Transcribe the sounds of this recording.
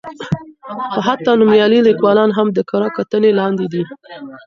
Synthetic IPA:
xoɦat̪ːɑnumjɑlilikwɑlɑnɦamd̪əkaɾɑkat̪ənelɑnd̪id̪i

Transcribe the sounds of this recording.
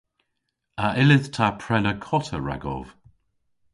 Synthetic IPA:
aʔɪlɪðtʰapʰɹɛləkʰɔtəɹa̰ɡɔ̰v̥

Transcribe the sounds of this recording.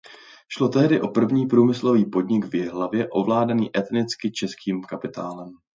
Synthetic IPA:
ʃlo̞t̪ɛɦdɪʔo̞pr̩vɲiːpɾuːmɪslo̞viːpo̞dɲɪɡvjɛɦlavjɛʔo̞vlaːdaniːʔɛt̪nɪt͡skɪt͡ʃɛskiːmkapɪt̪aːlɛm

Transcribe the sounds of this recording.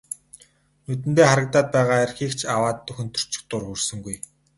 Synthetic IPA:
nɵt̪̬ɘ̆nt̪eːχaɾə̆k̚t̪aːt̪̚pæːʁaːerxiːkt͡ɕʰawaːt̪ːɵxɘ̆nt̪ʰɵ̥r̥t͡ɕɪ̥̆k̚t̪ʊrxursɵ̆ŋɡuj

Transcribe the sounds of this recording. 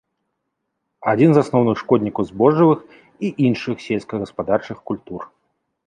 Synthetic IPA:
ad͡zʲinzasnɔwnɨxʂkɔd̪ʲnʲikɐwzbɔʐɨvɨx | iʔinʂɨxsʲelʲskɐɣɐspad̪art͡ʂɨxkulʲt̪ur

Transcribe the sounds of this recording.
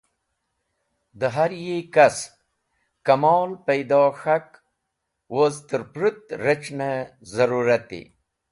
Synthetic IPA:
d̪əɦaɾjekas | kɐmɔːlpɐjd̪ɑːxak | wozt̪əɾpɾut̪ɾət͡ʃnezɐɾuɾat̪ḭ

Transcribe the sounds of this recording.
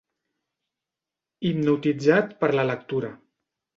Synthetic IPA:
imnut̪id͡zat̪pəɾlələk̚t̪uɾə

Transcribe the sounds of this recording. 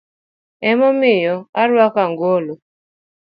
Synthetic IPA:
ɛmɔmɪjɔaɾwakaŋɡolo

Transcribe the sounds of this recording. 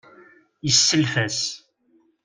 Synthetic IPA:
jəsːəlfæs

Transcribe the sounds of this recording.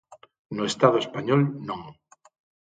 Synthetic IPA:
noest̪að̞oespaɲolnõŋ

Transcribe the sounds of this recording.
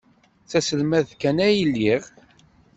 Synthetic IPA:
θæsəlmæðkænæjəlːiʁ

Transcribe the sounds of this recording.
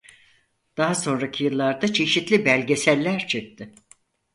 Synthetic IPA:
d̪̥aɦaso̞nɾacʰijɯlˠːaɾd̪at͡ʃʰe̞ʃit̪lʲibælʲɟe̞sælʲːæɾt͡ʃʰek̚t̪ʰɪ

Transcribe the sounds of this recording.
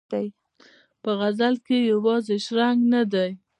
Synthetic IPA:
aj | pəɣazalkejawɑzeʃɾaŋɡnad̪aj

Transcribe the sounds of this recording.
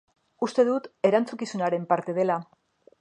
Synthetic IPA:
ust̪e̞ðut̪e̞ɾant͡sukisunaɾe̞mpaɾt̪e̞ð̞e̞la

